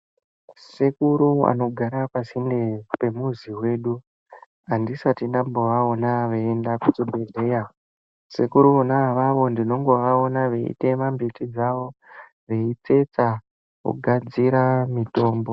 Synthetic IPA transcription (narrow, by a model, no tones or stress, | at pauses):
sekuɾua̰no̞ɡʱaɾakasindepe̞muziwe̞ːɗu | andisatinambo̞ʋao̞naʋeendakut͡sibʱe̞ɮe̞ja | sekuɾuonaʋaʋondino̞ŋɡo̞ʋao̞naʋe̞̰ḭte̞mambitid͡zaʋo̞ | ʋeit͡se̞t͡sa | kṵɡʱad͡ziɾamito̞ːmbo